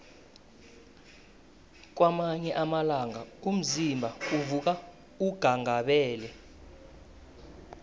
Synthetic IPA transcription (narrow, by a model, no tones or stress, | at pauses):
k̬wamaɲɛʔamalaŋaum̩zimbʱauvuk̬a | uɡ̥ʱaŋʱaɓɛːlɛ